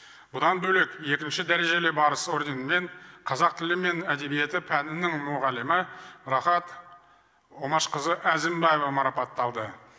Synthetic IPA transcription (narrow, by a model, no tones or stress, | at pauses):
bʊd̪ɑnbɵle̞kje̞kʲɪnʃɪd̪æɾe̞ʒe̞lebɑɾəso̞rd̪e̞nme̞ɴqʰɑzɑq̚t̪ʰɪlɪme̞næd̪e̞bije̞t̪ɪpʰænɪnɪŋmʊʁɑlɪmɪɾɑχɑt̪ | omɑʃqəzəʔæzɪmbɑjevɑmɑɾɑpɑt̪ːɑlˠd̪ə